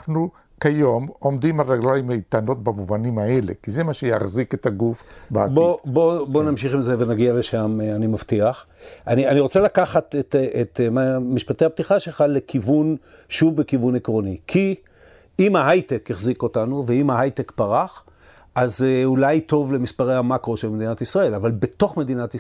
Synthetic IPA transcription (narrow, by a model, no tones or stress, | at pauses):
χnu | kajomo̞md̪imaʁeɡlalimejt̪ano̞tbamuvanimaele̞̰kizemaʃejaχziketaɡufbaabobo̞bo̞namʃiχimzeve̞naɡialeʃamanimaftiaχʔanianiʁo̞t͡selakaχatetetmamiʃpat̪ehap̚t̪iχaʃelχale̞kivun | ʃuvbekivunekʁo̞nikʰi | imhaɦajtekeχziko̞tanuveimhaɦajtekpaʁaχ | ʔazeulajto̞vle̞mispaʁejhamakʁo̞ʃelmed̪inatisʁae̞lavalbe̞t̪o̞χme̞d̪inat